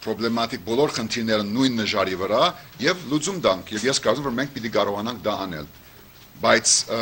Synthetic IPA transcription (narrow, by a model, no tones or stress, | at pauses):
pʰɾɔblɛmɑt̪ik̚bɔlɔɾχənt̪ʰiɾnɛɾənːujnːəʒɑɾivəɾɑjɛvlut͡sumd̪ɑŋkʰjɛvjɛskɑɾt͡sumɛmvɔɾmɛŋk̚ʰpit̪ikɑɾɔʁɑnɑŋk̚ʰd̪ɑɑnɛ̰l | bɑjt͡sʰ